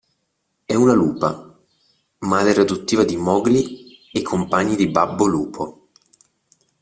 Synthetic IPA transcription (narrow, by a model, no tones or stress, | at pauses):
ɛunaluːpa | mad̪ɛɾad̪ut̪ːiːvad̪imɔːɡli | ekʰːompaɲːid̪ibabːoluːpʰo